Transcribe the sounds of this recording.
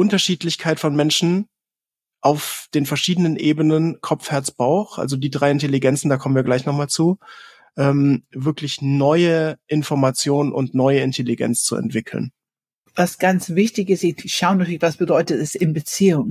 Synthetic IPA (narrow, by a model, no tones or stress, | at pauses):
ʔʊntɐʃiːtlɪçkʰaɪtfɔnmɛnʃn̩ | ʔaʊfd̥eːnfɛɐʃiːdənənʔeːbənənkʰɔp͡fhɛɐt͡sb̥aʊxʔa̰lzodiːdʁaɪɪnteliɡɛnt͡sn̩daːkʰɔmənviːɐɡlaɪçnɔχmaːlt͡suː | ʔɛːmvɪɐklɪçnɔʏəʔɪnfɔɐmat͡sjoːnənʊ̰ntnɔʏəɪntʰeliɡɛ̰nt͡st͡sṵɛ̰ntv̥ɪkʰl̩̰n | vasɡ̥ant͡svɪçtɪçɪstɪʃaʊnatʰyɐlɪçvasb̥ədɔʏtətɛsɪnbət͡siːʊŋ